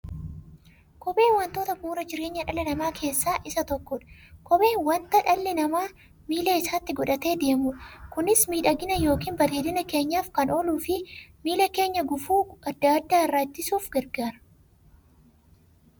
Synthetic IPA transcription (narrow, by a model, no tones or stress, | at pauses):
kɔbe̞ːwɐnt̪o̞ːt̪ɐbuːɾɐd͡ʒɪɾe̞ːɲːɐᶑɐlɐnɐmaːkʰe̞ːsːaːʔɪsɐt̪ɔkːɔᶑɐ̥kɔbe̞ːnwɐnt̪ɐᶑɐlːɪnɐmaː | miːlɐɪsaːt̪ːɪɡɔᶑɐt̪e̞ːd̪e̞ːmʊᶑɐkʊnɪsmiːᶑɐɡɪnɐjo̞ːkiːnbɐleːd̪ɪnɐke̞ːɲːaːfkɐnoluːfɪmiːlɐke̞ːɲːɐɡʊfuːɐd̪ːad̪ːaːɪrːaːt̪ːɪsuːfɡɐɾɡaːɾɐ̥